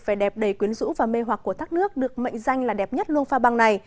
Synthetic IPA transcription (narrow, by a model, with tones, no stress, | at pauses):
faː˧˩jɗɛ˨˩p̚ɗə˧˩jkwi˨˦ənzṵ˧˥vaː˨˩me˧ɦwa˨˩k̚ku˧˩ət̪aː˦˥k̚nɨ˦˥ək̚ɗɨ˨˩ək̚mə̰˧˨jŋ̟za˧jŋ̟laː˨˩ɗɛ˨˩p̚ɲə˦˥t̚lu˧ənfaː˧ɓa˧ŋna˨˩j